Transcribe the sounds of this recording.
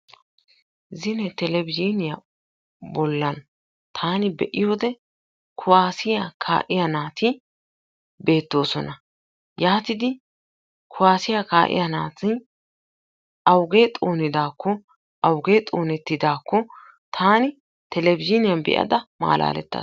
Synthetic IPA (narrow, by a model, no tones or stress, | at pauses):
zɪnɛt̪ɛlɛbɪd͡ʒinɪjɐ | bɔlːɐn | t̪ʰaːnɪbɛʔɪjo̞ːd̪ɛ | kʰʊwaːsɪjɐkʰa̰ːʔɪjɐnaːt̪ɪ | be̞ːt̪ːo̞ːsɔnɐ | jaːt̪ɪd̪ɪ | kʰʊwaːsɪjɐkaːʔɪ̰jɐnaːt̪ɪ | ʔɐwɡeːt̪ʼo̞ːnɪd̪aːkːɔ | ɐwɡe̞ːt̪ʼo̞ːnɛt̪ːɪd̪aːkːɔ | t̪ʰaːnɪ | t̪ɛlɛbɪd͡ʒɪnɪjɐnbɛ̰ʔɐ̰d̪ɐma̰ːlʔa̰ːlɛ̰t̪ːɐ̰